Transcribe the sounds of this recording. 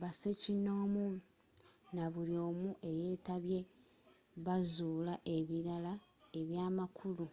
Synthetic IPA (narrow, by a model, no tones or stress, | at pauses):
βasecino̞ːmu | naβulio̞ːmuʔe̞je̞ːtaβje̞ | βazuːlaʔe̞βiɾalae̞βjaːmakʰulu